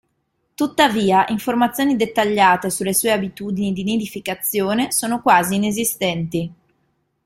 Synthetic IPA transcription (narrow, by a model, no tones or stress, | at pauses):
t̪ut̪ːaviːaʔiɱformat̪sːjoːnid̪et̪ːaʎːaːt̪esulːesuːeabit̪uːd̪inid̪ined̪ifikat̪sːjoːnesoːnokwaːziːnezist̪ɛnt̪i